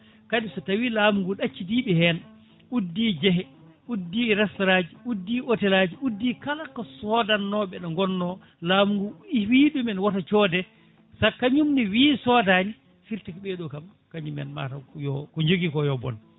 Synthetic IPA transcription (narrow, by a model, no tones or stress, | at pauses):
kaɗisɔtawilaːmuŋɡuɗat͡ʃːidiɓɛhɛn | udːiːd͡ʒɛɦɛ | udːiɾɛstɔɾad͡ʒiudːiʔotɛlad͡ʒiʔudːikalakːɔsɔdanːɔɓɛɗɔŋɡɔnːɔ | laːmuŋɡuiwiɗumɛnwatat͡ʃɔdɛ | sakːaɲumniwiːsɔdani | fiɾtikɔɓɛɗɔkam | kaɲumɛ̰nma̰tajɔkɔɲd͡ʒoɡikɔjɔbɔ̰n